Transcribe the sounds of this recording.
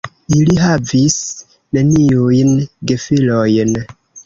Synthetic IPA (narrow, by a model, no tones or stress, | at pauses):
iliɦavis | ne̞niujnɡefilojn